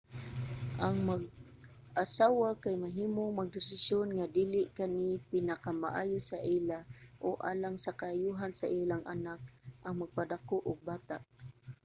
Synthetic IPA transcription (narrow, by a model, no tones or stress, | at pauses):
ʔaŋmaɡ̚ | asaːwakajmaɦiːmoŋmaɡ̚d̪ɪsɪsjonŋad̪iːlɪʔkanipɪnakama̰ʔaːjʊsaʔilaʔoʔa̰ːlaŋsakaajuɦansaʔilaŋʔanak̚ʔaŋmaɡ̚pad̪akoʔʊɡ̚baːt̪aʔ